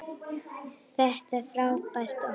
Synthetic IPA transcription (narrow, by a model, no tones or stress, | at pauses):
θvɛht̪ɛfɾaːwpajr̥t̪a